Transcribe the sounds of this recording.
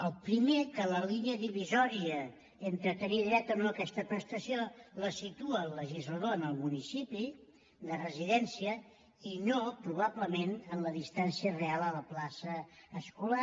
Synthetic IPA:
əlˠpɾimekələliniəðiβizɔɾiə | ent̪ɾət̪əniðɾɛt̪ənoəkɛst̪əpɾəst̪əsioləsit̪uəːlːəʒizləðoənəlˠmunisipi | d̪ərəziðɛnsiə | inopɾuβ̞aβləmenənləðist̪ansiərealˠələplasəːskula

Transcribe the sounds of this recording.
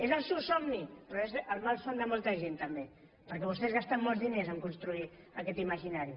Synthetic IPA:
ezəlˠsewsɔmnipɾoezəlˠmalˠfond̪əmolˠt̪əʒent̪əmbe | pəɾkɛβ̞ust̪ɛzɣast̪amːolzðinezəŋkunst̪ɾui | əkɛt̪iməʒinaɾji

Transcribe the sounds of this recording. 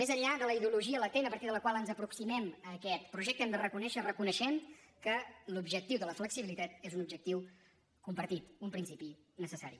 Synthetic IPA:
mezəʎʎaðələiðiuluʒiələt̪enəpəɾt̪iðəlˠəkwalˠənzəpɾuksimɛməːkɛt̪pɾuʒɛk̚t̪əɛmd̪ərəkunɛʃərəkunəʃɛnkəlubʒək̚t̪iwðələfləksiβilit̪at̪ezunub̚ʒək̚t̪iw | kumpəɾt̪it̪umpɾinsipi | nəsəsaɾḭ

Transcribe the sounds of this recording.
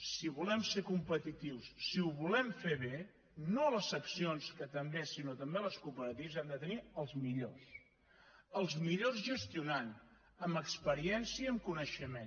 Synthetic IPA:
siβulɛmsekumpət̪it̪iwsːiuβulɛmfeβe | noləsəksionskət̪əmbesinot̪əmbeləskupəɾət̪iwzɛmd̪ət̪əniəlˠzmiʎos | əlˠzmiʎozʒəst̪iunan | əməkspəɾiɛnsiəəmkunəʃəme

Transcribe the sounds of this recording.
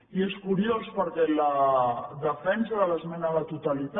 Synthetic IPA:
ieskuɾiospəɾkɛlaðəfɛnsaðələzmɛnalat̪ut̪alit̪

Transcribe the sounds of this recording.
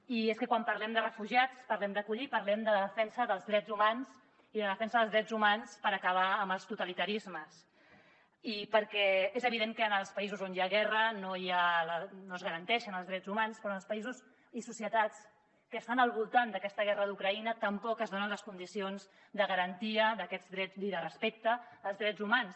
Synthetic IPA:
ieskəkwampəɾlɛmd̪ərəfuʒiat͡spəɾlɛmd̪əkuʎipəɾlɛmd̪ələðəfɛnsəðəlˠzðɾɛdzumans | iðəðəfɛnsəðəlzðɾɛzumanspəɾəkəβ̞aəmbəlˠst̪ut̪əlit̪əɾizməs | ipəɾkɛezəβ̞iðeŋkənəlˠspəizuzonjaɣɛrənojalənoəzɣəɾənt̪ɛʃənəlˠzðɾɛzumanspɾɔnəlspəizuz | isusiət̪at͡s | kəːst̪anəlˠβulˠt̪and̪əkɛst̪əɣɛrəðukɾəinət̪əmpɔkəzðonənləskund̪isionz | d̪əɣəɾənt̪iəðəkɛd͡zðɾɛd͡zliðərəspek̚t̪əəlˠzðɾɛd͡zumans

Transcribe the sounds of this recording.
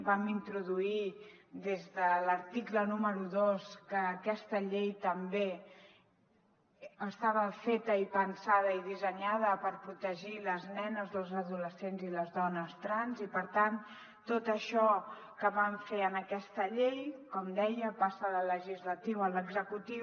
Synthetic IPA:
bamint̪ɾuðui | d̪ezðələɾt̪iklənuməɾuðoskəːkɛst̪əʎejt̪əmbe | əst̪aβəfet̪əipənsað̞əiðizəɲaðəpəɾpɾut̪əʒiləznɛnəzðəlˠzəðuləsenziləzðɔnəst̪ɾanzipəɾt̪an | t̪ot̪əʃɔ | kəβaɱfeənəkɛst̪əʎejkɔmd̪ɛjəpasəðələʒizlət̪iwələɡzəkut̪i

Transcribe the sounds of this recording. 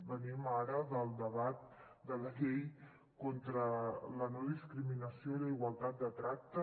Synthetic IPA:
bənimaɾəðəlˠd̪əβat̪̚ | d̪ələʎej | kont̪ɾələnɔðiskɾiminəsioiləiɣwəlˠt̪at̪̚d̪ət̪ɾak̚t̪ə

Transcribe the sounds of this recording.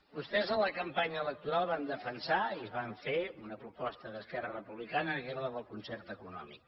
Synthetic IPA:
bust̪ɛzələkəmpaɲəːlək̚t̪uɾalˠβand̪əfənsaiəzβaɱfeunəpɾupɔst̪əðəskɛrərəpuβlikanəəɣɛɾðəðəlˠkunsɛrt̪əkunɔ̰mḭk

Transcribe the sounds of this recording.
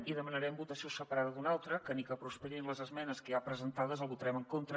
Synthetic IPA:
iðəmənəɾɛmbut̪əsiosəpəɾaðəzðunalˠt̪ɾəkənikəpɾuspəɾinləzəzmɛnəskəjapɾəzənt̪aðəzəlˠβut̪əɾɛməŋkont̪ɾə

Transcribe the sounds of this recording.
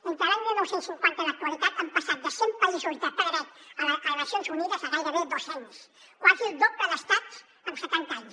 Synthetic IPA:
int̪alaɲmilˠnɛwsensiŋkwant̪ənək̚t̪wəlit̪at̪ampəsat̪̚d̪əsɛmpəizuzðəpəðəɾat̪̚ələkələnəsjonzuniðəzəɣajɾəβed̪ozaɲs | kwazilˠd̪opləðəst̪at̪ | əmsət̪ant̪aɲs

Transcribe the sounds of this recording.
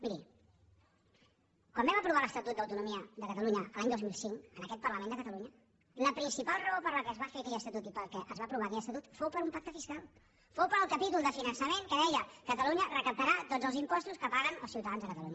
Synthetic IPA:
miɾi | kwambɛməpɾuβaləst̪ət̪ut̪d̪əwt̪unumiəðəkət̪əluɲəʔəlaɲd̪ozmilˠsiŋkənəkɛt̪̚pərləmẽnd̪əkət̪əluɲə | ləpɾinsipalˠrəopəɾləkɛzβafeəkɛʎəst̪ət̪ut̪ipəɾˠkɛʔəzβapɾuβaːkɛʎəst̪t̪ut̪fowpəɾumpak̚t̪əfiskalˠ | fowpəɾəlˠkəpit̪ulˠd̪əfinənsəmeŋkəðɛʎəkət̪əluɲərəkəp̚t̪əɾat̪odd͡zəlˠzimpɔst̪uskəpaɣənə̰lˠsiwt̪əðanzðəkət̪əluɲə

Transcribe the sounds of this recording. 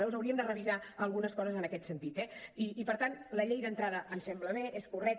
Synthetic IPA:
ɛwzəwɾiəmd̪ərəβizaəlˠɣunəskɔzəzənəkɛt̪sənt̪it̪ɛiːpəɾt̪anləʎejðənt̪ɾað̞əʔənsɛmbləβeʔeskurɛk̚

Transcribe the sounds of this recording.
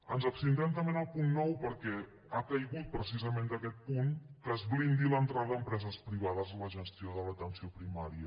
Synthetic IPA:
ənzəpst̪int̪ɾɛmt̪̬əmbenapunːɔwpəɾkɛ | akəjɣut̪̚pɾəsizəmẽnd̪əkɛt̪̚puŋkəzβlind̪ilənt̪ɾaðəðəmpɾɛzəspɾiβ̞aðəzələʒəst̪ioðələt̪ənsiopɾimaɾiə

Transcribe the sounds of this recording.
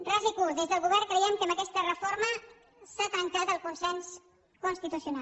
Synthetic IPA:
razikuðezðəlˠɣuβɛrkɾəjɛmkəməkɛst̪ərəfoɾmə | sat̪ɾəŋkat̪əlˠkunsɛns | kunst̪it̪usiuna

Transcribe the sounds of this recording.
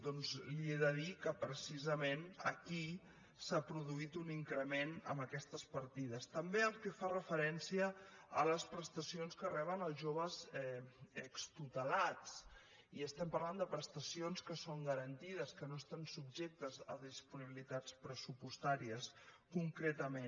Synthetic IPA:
d̪ɔnzlieðəðikəpɾəsizəmenə̰ki | sapɾuðuit̪uniŋkɾəmenə̰məkɛst̪əspəɾt̪iðəst̪əmbeəlˠkɛfarəfəɾɛnsiəələspɾəst̪əsionskərɛβ̞ənəlˠzʒoβ̞əzɛəkst̪ut̪əlat͡s | iəst̪ɛmpərland̪əpɾəst̪əsionskəsoŋɡəɾənt̪iðəskənost̪ansub̚ʒek̚t̪əzə̰ðispuniβilit̪at͡spɾəsupust̪aɾiəskuŋkɾet̪əmen

